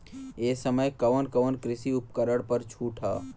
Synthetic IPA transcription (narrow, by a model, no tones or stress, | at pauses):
eːsəməjkɐʋənkəʋənkɾɪsiʊp̚kəɾəɽpəɾt͡ʃʰuːʈʰaː